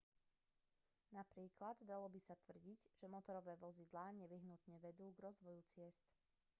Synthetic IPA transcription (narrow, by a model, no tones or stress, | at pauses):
napɾiːklad̪d̪alɔbisat̪ʋr̩ɟiɟʒ̥ɛmɔt̪ɔɾɔʋɛːʋɔzid̪laːɲɛʋiɦnut̪ɲɛʋɛd̪uːɡɾɔzʋɔjut͡sɪɛst̪